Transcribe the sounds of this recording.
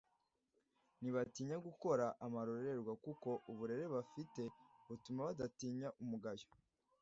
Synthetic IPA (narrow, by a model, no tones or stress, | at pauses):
niβatiːɲaɡuko̞ɾaʔamaɾo̞ɾe̞ɾɡwakukoʔuβuɾe̞ɾe̞βafite̞βutumaβadatiːɲaʔumuɡajo̥